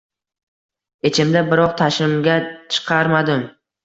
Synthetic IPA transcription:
et͡ʃʰɪmd̪abɪɾɒqt̪ʰaʃɪmɡʲat͡ʃʰɨ̥qʰɑɾmad̪ɪm

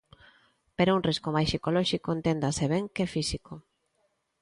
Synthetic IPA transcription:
peɾaunriskomajsikolɔʃikoent̪end̪aseβeŋkefisiko

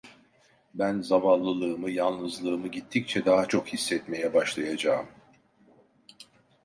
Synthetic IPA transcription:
bænzamanlˠɯlˠɯːmɯjanˠnɯzlˠɯːmɯɟit̪ʰːic̚t͡ʃʰɛd̪aɦat͡ʃʰo̞khisːɛt̪me̞jɛbaʃlˠajad͡ʒaːɯm

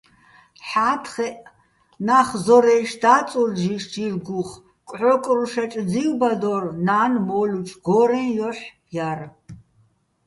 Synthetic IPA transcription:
ħaːt̪ʰχɛʔ | naχzɔɾɛjʃd̪aːt͡sʼurʒiʃd͡ʒirɡuχ | kʼʕɔkʼruʃɛt͡ʃʼd͡ziwbad̪ɔrnaːnmɔlut͡ʃʼɡ̥ɔɾɛnjɔħ | jar

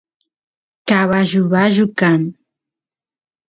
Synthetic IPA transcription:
kaβaʒuβaʒukan

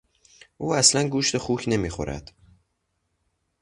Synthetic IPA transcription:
ʔuːæslænɡuːʃt̪exuːcʰne̞miːxo̞̰ɾʔæ̰d̪̥

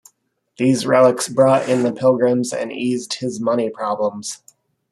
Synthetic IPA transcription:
ðizɹɛlˠəksb̥ɹɔɾɪ̃nðəpʰɪlˠɡɹɨ̃mzɨ̰̃nizd̥̚hɪzmʌñipʰɹ̥ɑblə̃mz̥

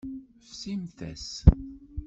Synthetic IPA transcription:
fsimθæ̰s

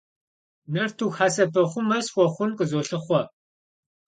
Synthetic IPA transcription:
nɐrtʰuːxaːsɐpʰɐχʷʊmɐsχʷɔχʷʊnqəzoːɬɨχʷɔ

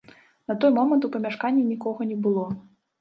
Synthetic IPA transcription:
nɐt̪ɔjmɔmɐnt̪upɐmʲaʂkanʲːinʲikɔɣɐnʲɛbɨlˠɔ

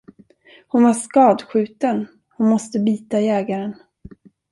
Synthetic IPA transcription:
hʊnvaʂkɑːd̪ɧʉ̟ːt̪ən | hʊnmɔst̪əbiːt̪ajɛːɡaɾən

